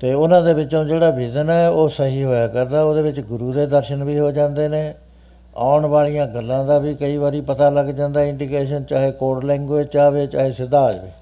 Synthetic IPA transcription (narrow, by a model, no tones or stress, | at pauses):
t̪eːʊnãːd̪eːʋɪt͡ʃõːd͡ʒeːɽaːʋɪd͡ʒənɛːoːsəɦiːɦoːjaːkəɾd̪aːoːd̪eːʋɪt͡ʃɡʊɾuːd̪eːd̪əɾʃənʋiːɦoːd͡ʒãːnd̪eːneː | a̰ːʊɳʋaːɭijãːɡəlːãːd̪aːbiːkəiːʋaːɾiːpət̪aːləɡd͡ʒãːnd̪aːɪɳɖiːkeːʃ̬ənt͡ʃaːɦeːkoːɽlɛ̃ːŋɡeːt͡ʃaːʋeːt͡ʃa̰ːɦeːsɪd̪aːd͡ʒʋiː